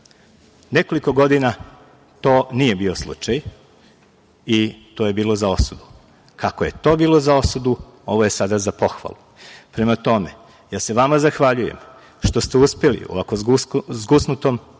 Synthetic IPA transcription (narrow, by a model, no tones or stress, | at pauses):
ne̞ko̞liko̞ɡo̞d̪ina | t̪o̞ːnije̞bio̞slˠṵt͡ʃaj | it̪o̞ːje̞biːlˠozao̞sud̪u | kʰakoje̞t̪o̞ːbiːlo̞zao̞sud̪u | o̞ʋoje̞sad̪azapo̞xʋa̰lˠu | pɾe̞mat̪o̞me̞ | jaːse̞ʋamazaxʋaʎuje̞̰m | ʃt̪o̞st̪euspe̞lḭo̰ʋakouzɡusnut̪om